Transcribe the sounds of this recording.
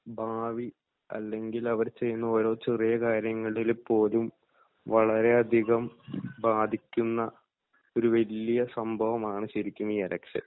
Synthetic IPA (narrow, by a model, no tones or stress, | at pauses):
bʱaːʋi | ɐ̰lːe̞ŋɡilɐʋɐɾt͡ɕe̞jːunːɐo̞ːɾo̞ːt͡ɕerijɐkaːɾjɐŋːɐɭilpːo̞ːlum | ʋɐɭɐɾe̞ɐd̪ʱiɣɐmbaːd̪ʱikʲːunːɐ | o̞ɾuʋɐlijɐsɐmbʱɐʋɐmaːɳɨɕiɾikʲːunːiɐɾɐkʂɐ̰l